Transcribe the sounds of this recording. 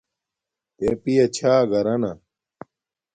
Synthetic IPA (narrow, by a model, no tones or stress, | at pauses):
t̪epijɐt͡ɕʰaːɡɐɾɐnɐ